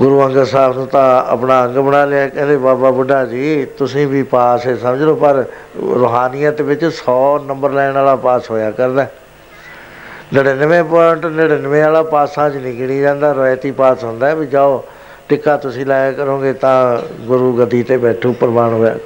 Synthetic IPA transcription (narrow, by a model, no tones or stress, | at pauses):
ɡʊɾuːə̃ŋɡəɾsaːbnũːt̪ãːə̰pnaːə̃ŋɡbənaːleːaːkɛ̃ːnd̪eːbaːbaːbʊɖaːd͡ʒiːt̪ʊsĩːbiːpaːsesəməd͡ʒloːpəɾ | ɾoːɦaːnɪjãːt̪eːʋɪt͡ʃsɔːnəmbəɾlɛːɪnaːlaːpaːsɦoːjaːkəɾd̪ɛː | nəɽeːnəʋẽːpəʈnəɽeːnəʋẽːaːlaːpaːsãːd͡ʒnĩːɡɪɽiːd͡ʒãːnd̪aːɾoːjt̪iːpaːsɦʊ̃nd̪aːbiːd͡ʒaːoː | ʈɪkːaːt̪ʊsĩːlaːjaːkəɾõːɡeːt̪ãːɡʊɾuːɡəd̪ːiːt̪eːbɛːʈʰoːpəɾmaːɳɦoːja̰ː